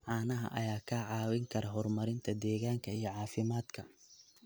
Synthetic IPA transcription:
ʕɑːnɐɦɐ̰ʔɐ̰jaːkʰɐʕɑːwɪŋkʰɐɾɐɦɔrmɐɾɪnt̪ʰɐd̪ɛːɣaːŋkʰɐijɞʕɑːfɪmaːd̪kʰɐ

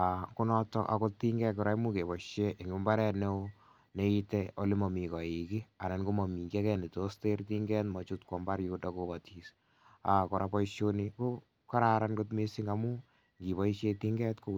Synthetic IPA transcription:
akunɔtːɔ̰ʔa̰kot̪iŋɡɛkɔɾaimukebɔʃjeʔeŋumbaɾɛne | neiteolimɔmikɔikianankomɔmikakɛnitosteɾtiŋɡɛtmɔt͡ʃutkwɔmbaɾjudakobatis | akɔɾapɔʃjoniko | kaɾaɾankot̬misiŋɡamu | ŋɡipɔʃetiŋɡɛtko

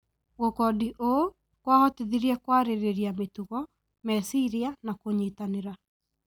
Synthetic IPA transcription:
ɣokɔdiʔo | kwaɣɔtiðiɾiɛkwaɾeɾeɾiametuɣɔ | mɛsiɾianakoɲiːtaneɾa

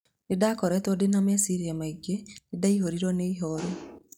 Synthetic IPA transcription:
nedakɔɾɛtodenamesiɾiamaiɡenedaihoɾiɾɔneiɦɔɾo

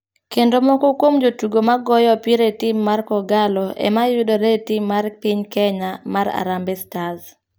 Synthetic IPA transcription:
kendomɔkokwomd͡ʒotuɡomaɡɔjɔpɪɾetɪmːarkɔɡalɔɛ̰majʊdoɾetimːarpɪɲkɛɲamaɾa̰ɾambɛstaz

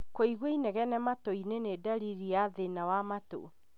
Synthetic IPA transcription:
koiɣwoinɛɣɛnɛmatoinenedaɾiɾiaðenawamato̰

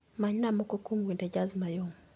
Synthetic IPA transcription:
maɲnamɔkɔkumwinded͡ʒazmajoŋ

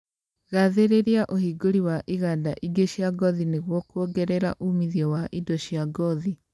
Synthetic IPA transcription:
ɣaðeɾeɾiaʔohiːɡoɾiwaʔiɣadaʔiɡeɕjaɡɔðineɣwɔkoɡɛɾɛɾa̰ʔumiðiɔwaʔidoɕjaɡɔði

